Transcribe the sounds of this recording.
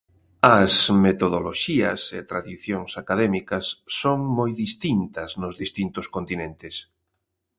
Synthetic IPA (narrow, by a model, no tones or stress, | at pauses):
ɐsmet̪oðoloʃiɐ̰sɪ̰t̪ɾaðiθjoŋsakaðɛmikɐsːoŋmojðist̪int̪ɐznʊzðist̪int̪ʊskont̪inẽnt̪ɪs